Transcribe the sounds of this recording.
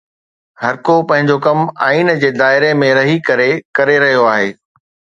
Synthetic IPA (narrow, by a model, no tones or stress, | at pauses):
hɐɾkopɐ̃ɦɪ̃ɲd͡ʑokɐma̰ːiːnd͡ʑeːd̪aːɪɾemẽɾɐɦikɐɾekɐɾeɾɐɦijoaːɦeː